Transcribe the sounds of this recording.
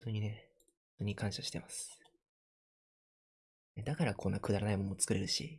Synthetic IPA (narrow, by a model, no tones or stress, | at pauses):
t̪o̞ːɲ̟ine̞ | õnt̪oːɲ̟ikãɰ̃ɕaɕi̥t̪e̞masɨ̥ | ned̪akaɾakʰõ̞nːakɯ̟d̪aɾanaimo̞not͡sɨ̥kɯ̟ɾe̞ɾɯ̟ɕḭ